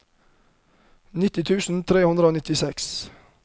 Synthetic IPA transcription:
nɪt̪ɪt̪ʰʉːsn̩t̪ʰɾeːhʉnd̪ɾəoːnɪt̪ɪsɛks

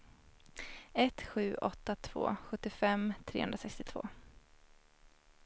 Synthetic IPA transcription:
ɛt̪ɧʉ̟ːʔɔt̪ːat̪ʰv̥o̰ːɧɵt̪ːɪfɛmt̪ʰɾeːɵ̰nɾasɛkst̪ɪt̪ʰv̥o̰ː

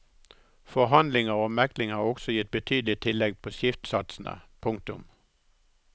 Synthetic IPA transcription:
fɔɦɑnd̪lɪŋəʁoːmæklɪŋhɑːʁɔɡsɔjɪt̪̚bət̪ʰyːd̪lɪt̪ʰɪlɛɡ̚pʰoːsɪft̪sɑt̪snə̰pʰʊŋk̚t̪ʊm

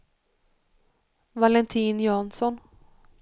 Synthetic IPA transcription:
valɛnt̪ʰiːnjɑːnsɔn

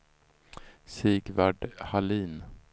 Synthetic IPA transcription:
siːɡvaɖhaliːn

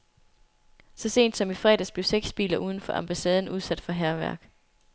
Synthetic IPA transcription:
sɒ̽se̝̰ːnd̥sɒ̽mifʁɛ̰ːd̥æsb̥le̝ʊseɡ̥sb̥ḭːlɐʔuːð̞ˠn̩fɒ̽ʔɑmb̥æsɛːð̞ˠn̩uð̞ˠsæd̥fɒ̽ɦæɐʋæɐɡ̥

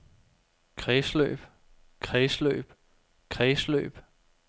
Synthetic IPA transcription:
kʰʁɛːslø̰ːb̥ | kʰʁɛːslø̰ːb̥ | kʰʁɛːslø̰ːb̥

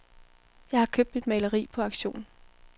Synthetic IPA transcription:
jɑ̈ɪhɑ̈kʰøb̥̚d̥mid̥mɛɪləʁḭːpʰɒ̽ɑ̈ɡ̥ɕo̝̰ːn

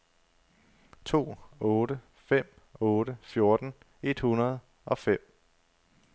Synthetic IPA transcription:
t͡sʰo̝̰ːɔ̽ːɾə | fem̰ | ɔ̽ːɾəfjo̝ɐd̥n̩ | e̝d̥hunɐð̞̩ˠ | ʔɒ̽fem̰

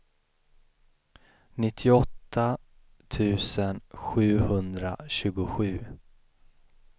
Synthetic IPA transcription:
nɪt̪ʰːɪɔt̪ʰːa | t̪ʰʉ̟ːsənɧʉ̟ːhɵnd̪ɾa̰ɕʉ̟ːɡʊɧʉ̟ː

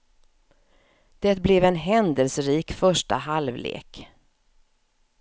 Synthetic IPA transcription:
d̪̥ɛt̪̚blɛvɛnɦɛnd̪əlsəɾiːkfœʂʈa̰ɦalvlḛːk

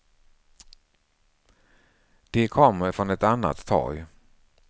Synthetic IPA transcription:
d̪̥ɛkʰɔmːəɾfɾɔnɛt̪anːa̰t̪ʰːɑ̰ːɡ

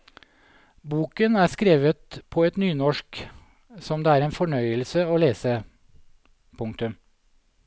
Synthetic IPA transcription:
buːkənæːskɾeːʋət̪̚pʰɔɛt̪nyːnɔʃk | sɔmd̪eːæːɾeːnfɔɳœʏəlsəoːleːsə | pʰʊŋkt̪ʉm

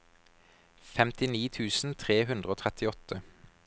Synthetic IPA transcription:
fɛmt̪ɪniːt̪ʰʉːsn̩t̪ʰʁeːɦʉnd̪ʁəoːt̪ʰɛt̪ʰɪɔt̪ʰə

